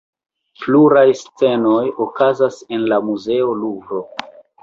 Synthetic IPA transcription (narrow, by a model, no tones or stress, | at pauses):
pluɾajst͡se̞no̞jokazase̞nlamuze̞o̞lubɾo̞